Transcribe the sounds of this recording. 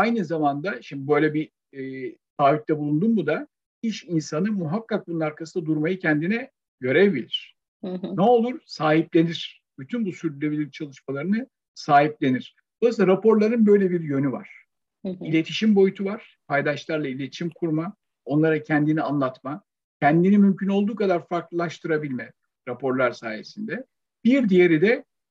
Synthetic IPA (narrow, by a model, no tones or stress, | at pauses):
ajnɯzamand̪aʃimd̪ibø̞jlʲɛbiː | t̪ʰaːvit̚t̪ʰɛbulˠund̪unbud̪a | iʃinsanɯmuɦakːak̚bununaɾkʰasɯnd̪ad̪uɾmajɯcʰɛnd̪inɛ | ɟø̞ɾevbilʲiɾ̝̥ | nɛo̞lˠuɾsaːɦiplʲe̞niɾ̥ | b̥yt̪ʰynbusyɾd̪ylʲebilʲiɾit͡ʃʰalˠɯʃmalˠaɾɯnɯ | saːɦip̚lʲe̞niɾ̥ | d̪̥o̞lˠaslˠaɾapʰo̞ɾlˠaɾɯnbø̞jlʲebiɾjø̞nyva̰ɾ̥ | ilʲe̞t̪ʰiʃimbo̞jyt̪ʰuvaɾ̥pʰajd̪aʃlˠaɾlˠailʲe̞t̪ʰi̥ʃimkʰuɾma | o̞nlˠaɾacʰɛnd̪inianlˠat̪ma | cʰɛnd̪inimymcʰyno̞lˠd̪uːkʰad̪aɾfaɾklˠɯlˠaʃt̪ʰɯɾabilʲmɛ | ɾapʰo̞ɾlˠaɾsaːje̞̰sind̪ɛ | b̥iɾd̪ijeɾid̪ɛ